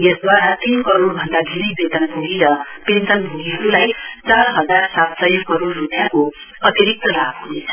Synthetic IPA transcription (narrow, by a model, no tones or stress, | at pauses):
jʌsd̪waɾat̪inkʌɾorbʱʌnd̪aɡʱiɾibet̪ʌnbʱuɡiɾʌpensʌnbʱuɡiɦʌɾulajt͡sarɦʌd͡zarsat̪sʌjʌkʌɾorːupjako | ʌt̪jiɾik̚t̪ʌlabɦunet͡sʰʌ̥